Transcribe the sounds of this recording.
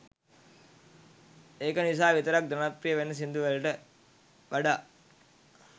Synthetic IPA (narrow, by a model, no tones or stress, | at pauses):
eːkənis̬aːʋit̪əɾak̚d̪ɾɐnat̪ɾijəʋenːɐs̬ind̪uʋelʈə | ʋaɖaː